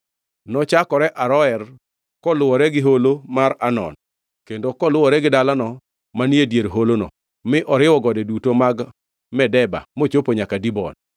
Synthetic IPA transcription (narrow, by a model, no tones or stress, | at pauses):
nɔt͡ʃakɔɾɛʔaɾɔɛr | kɔlʊwɔɾɛɡɪɦolomaɾanɔ̰n | kendokɔlʊwɔɾɛɡɪdalanɔ | manjedjeɾɦolonɔ̰ | mɪʔɔɾɪwɔɡɔdɛdutomaɡ | mɛdɛba̰mot͡ʃopoɲakadibɔn